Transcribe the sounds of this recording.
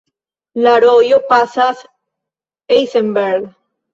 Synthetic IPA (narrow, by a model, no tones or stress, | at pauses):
laɾojopasas | ejsembeɾɣ